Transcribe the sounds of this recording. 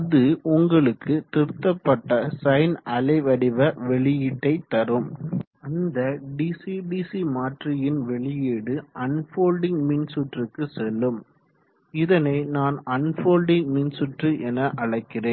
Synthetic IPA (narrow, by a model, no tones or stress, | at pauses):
ɐðɯʊŋɡɐɭɯkːɯt̪ɪɾt̪ːɐpːɐʈːɐsɐɪnɐlɐɪʋɐɽɪʋɐʋɛɭɪjɪʈːɐɪt̪ːɐɾɯm | ɐnd̪ɐɖisiɖisimaːʈrɪjɪnʋɛɭɪjeːɽɯʔɐnfoːlɖɪŋmɪnsʊʈrɯkːɯsɛlːɯm | ɪðɐnɐɪnaːnɐnfoːlɖɪŋɡmɪnsʊʈrɯʔɛnɐʔɐɻɐɪkːɪreːn